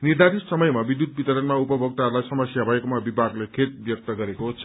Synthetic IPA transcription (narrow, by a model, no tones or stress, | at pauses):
nird̪ʱaɾisʌmʌjmabid̪jut̪̚bit̪ʌɾʌnmaupʌbʱʌk̚t̪aɦʌɾulajsʌmʌsjabʱʌekomabibʱaɡlekʰet̪̚bjʌk̚t̪ʌɡʌɾekot͡sʰʌ